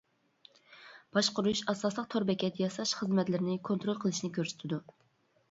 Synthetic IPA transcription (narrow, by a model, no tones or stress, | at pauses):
b̥ɑʃqʊɾuʃɑslɑslˠəqt̪ʰoɾbɛkʲʰɛt̪jɑsɑʃχəzmɛt̪lɪɾɪnɪkʰont̪ɾolˠqʰəlˠɨʃnɪkʲʰøɾsy̥t̪ʰɪd̪u